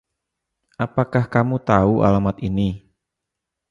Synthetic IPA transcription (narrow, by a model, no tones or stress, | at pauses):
ʔapakahkamut̪auʔa̰lamat̪ini